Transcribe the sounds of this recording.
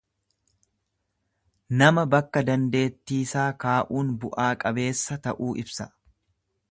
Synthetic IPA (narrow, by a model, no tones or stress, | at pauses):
nɐmɐbɐkːɐd̪ɐnd̪e̞ːt̪ːiːsaːkaːʔuːnbʊʔaːkʼɐbe̞ːsːɐt̪ɐʔuːʔɪbsɐ̥